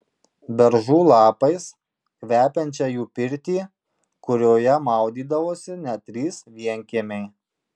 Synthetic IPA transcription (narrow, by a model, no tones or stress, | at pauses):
bʲɛɾʒuːlˠɑːpɐɪs | kʋʲæːpʲɛnʲt͡ʃʲɛːjuːpʲɪɾʲt̪ʲiː | kʊɾʲoːjɛmɑˑʊd̪ʲiːd̪ɐʋoːsʲɪnʲɛt̪ʲɾʲiːsʋʲiɛŋʲkʲiɛmʲɛɪ